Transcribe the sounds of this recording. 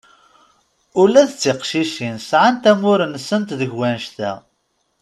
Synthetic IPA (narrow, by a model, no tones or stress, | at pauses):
ʊlæθət͡sːiqʃiʃinsʕant̪æmʊɾənəsːənt̪ðəʝwænʃθæ̰